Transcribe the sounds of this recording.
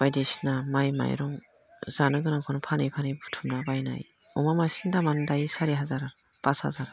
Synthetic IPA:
b̥ajdisnamajma̰jɾɔŋ | z̥anɯɡɯnakʰɔnpʰanɯjpʰanɯjbutʰumnabajna̰j | ɔmamasindamandajsaɾiɦazaɾ | b̥asha̰zaɾ

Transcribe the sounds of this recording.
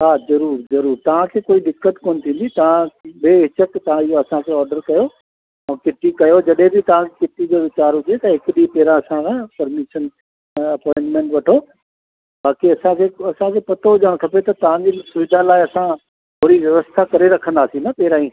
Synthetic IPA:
ɦaːzɐɾuːɾzɐɾuːɾt̪ɐʋ̤ãkʰeːkoːiɗɪkːət̪koːnɪt̪ʰĩːn̆d̪it̪ɐʋ̤ãbeːɦɪt͡ɕəkt̪ɐʋ̤ãɪɦoɐsãkʰeɔːɾɖəɾkɐjo | ɛ̃ːkɪʈ̪ikɐjod͡ʑɐɗɦẽbɪt̪ɐʋ̤ãkʰekɪʈid͡ʑoʋɪt͡ɕaːɾɦʊd͡ʑet̪ɐɦɪkɗipɛɦɾãɐsãkʰãːpɐɾmɪʃən | ɐpɔ̃ːɪɳʈmẽːɳʈʋɐʈʰo | baːkiɐsãkʰeːɐsãkʰeːpɐt̪ʰoɦʊd͡ʑaːɽ̃k̪ʰɐpet̪ɐt̪ɐʋ̤ãd͡ʑisʊʋɪd̪ʱalaːɪɐsã | ɦʰoːɾiʋjɐʋəst̪ʰakɐɾeɾɐkʰə̃nd̪aːsinɐpɛɦɪɾãːĩː

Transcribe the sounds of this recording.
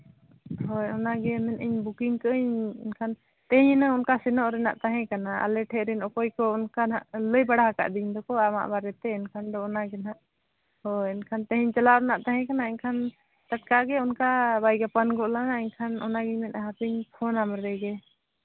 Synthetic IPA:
ɦɔjɔnaɡɛmɛnəɲbukiŋkəʔəɲɛnkʰan | t̪ɛɦiɲnəunkasɛnɔʔɾɛna̰ʔt̪aɦɛ̃kanaʔa̰lɛʈʰɛʔɾɛnɔkɔjkɔunkanaʔləjbaɽaɦaka̰ʔd̪iɲd̪ɔkɔama̰ʔbaɾɛt̪ɛɛnkʰand̪ɔɔnaɡɛnaʔ | hɔɛnkʰant̪ɛɦiɲt͡ʃalaɾɛnaʔt̪aɦɛ̃kanaɛɲkʰan | t̪aʈ̚kaɡɛunkabajɡapanɡɔʔlanaɛɲkʰanɔ̰naɡɛɲmɛnɦapiɲpʰɔnamɾɛɡɛ

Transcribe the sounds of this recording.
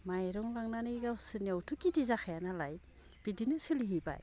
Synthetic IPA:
majɾɔŋlaŋnanɯɡawsɯniawtʰukidizaxʰajanalaj | b̥idinɯsɯliɦiba̰j

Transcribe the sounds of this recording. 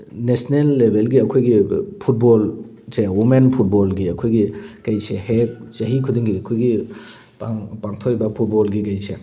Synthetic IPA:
nesnelːebʱelɡiɐkʰojɡipʰut̚bol | sewumenpʰut̚bolɡiɐkʰojɡikɐjsehek̚t͡ʃɐɦikʰudiŋɡiɐkʰojɡi | papaŋtʰojbɐpʰut̚bɔlɡikɐjse

